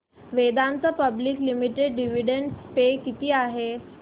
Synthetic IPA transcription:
ʋed̪ãnt͡s̪əpəbliːklimiʈeɖɖiʋiɖeɳɖspekit̪iːaɦe

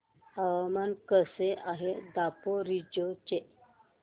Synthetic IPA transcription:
awamankəseaɦed̪apoɾid͡ʑot͡ɕe

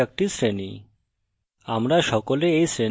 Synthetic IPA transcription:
ek̚ʈisɾeni | amɾaʃɔkoleejsɾe

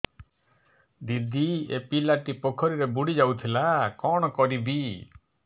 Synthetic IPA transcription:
d̪id̪ʱiepilaʈipɔkʰɔɾiɾebuɽid͡ʒawt̪ʰilakɔɽ̃ɔkɔɾibi

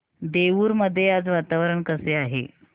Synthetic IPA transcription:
d̪eʋuːɾməd̪ʱːjejat͡sʋat̪aʋəɾəɳkəseaɦḛ

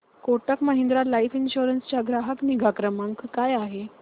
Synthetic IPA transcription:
koʈəkməɦend̪ɾalaifinɕuɾənst͡ɕjaɡɾaɦəkniɡakɾəmaŋkkajaɦe

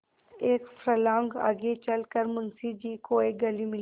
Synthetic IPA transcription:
eːkfɾəlãŋɡa̰ɡet͡ʃɐlkəɾmʊnsid͡ʒiːkoːeɡɐlimɪl

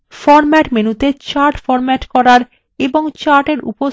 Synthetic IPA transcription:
fɔɾmɛʈmenut̪et͡ɕaɾʈfɔɾmɛʈkɔɾaɾ | eboŋt͡ɕaɾʈeɾṵpo

